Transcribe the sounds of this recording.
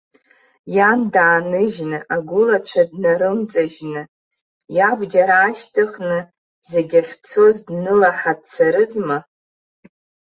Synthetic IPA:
jandaːnɨʒnɨʔaɡʷʊlat͡ɕʷʰadnaɾɨmt͡sʼaʒnɨ | jabd͡ʒaɾaːʃtʰɨχnɨ | zeɡʲaχʲt͡sʰozdnɨlaħadt͡sʰaɾɨzma

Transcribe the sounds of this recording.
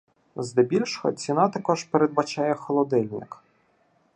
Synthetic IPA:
zd̪ɛbʲilʲʃɔɦɔ̰t͡sʲinɑt̪ɐkɔʒ̥peɾed̪̚bɐt͡ʃɑjɛxɔlˠɔd̪ɪlʲnɪk

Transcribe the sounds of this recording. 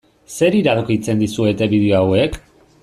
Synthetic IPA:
se̞ɾiɾaðokit͡se̞nd̪isue̞t̪e̞βið̞eo̞awe̞k

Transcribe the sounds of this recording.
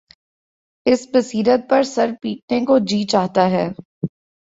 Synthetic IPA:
ɪsbɐsiːɾət̪̚pɐɾsɐɾpiːʈ̚nekod͡ʒiːt͡ʃaːɦt̪aɦɛː

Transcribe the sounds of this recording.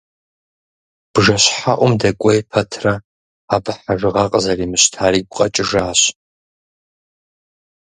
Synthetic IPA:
b̥ʐɐɕħaʔʷʊmdɐkʷʼɔjpʰɐtʰrɐ | aːbɨħaʐɨʁɐqʼəzɐriːmɨɕtʰaːɾiːɡʷʊqʼɐt͡ʃʼɪʒaːɕ

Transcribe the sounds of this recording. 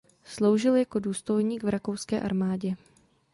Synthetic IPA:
slo̞wʒɪljako̞duːst̪o̞jɲiːɡvɾʔakowskɛːʔa̰ɾmaːɟɛ

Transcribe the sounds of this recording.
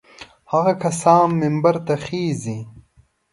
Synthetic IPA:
hɐɣɐkɐsaːmːɪmbɐɾt̪ɐxiːzi

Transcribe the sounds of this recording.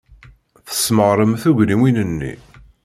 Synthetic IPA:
θə̥sːməʁɾˤəmθuʝɾiminənːḭ

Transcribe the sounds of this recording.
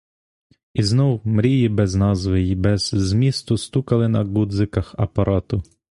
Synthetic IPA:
iznɔwmɾʲijibɛznɑzʋɪjibɛz̥zmʲist̪ʊst̪ukɐlˠɪnɐɡud̪zɪkɐxɐpɐɾʔɑt̪ʊ

